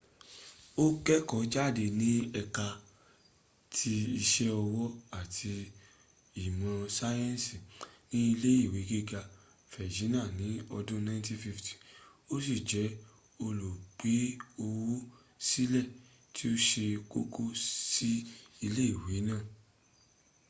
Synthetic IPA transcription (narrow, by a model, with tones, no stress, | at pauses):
o˦kɛ˦kɔ˨˦d͡ʒa˦˨de˧nĩ˦ɛ˧ka˧ | tʰi˧i˧ʃɛ˦ɔ˧wɔ˦a˨tʰi˧ | i˨mã˧sa˦jɛ̃˦n˨si˨nĩ˦i˧le˦i˦˨we˨˦ɡe˦ɡa˧ | fɛ˨d͡ʒĩ˨˦nã˦˨nĩ˨˦ɔ˧dũ˦nã˧˦ti˦fi˧fti̥˨ | o˦s̬i˦˨d͡ʒɛ˨˦ | o˧lo˨ɡ͡be˨˦o˧wo˦ | si˦lɛ˦˨ | tʰi˦o˦ʃe˧ko˦kʰo˦si˦i˧le˦i˦˨we˨˦nãː˦˨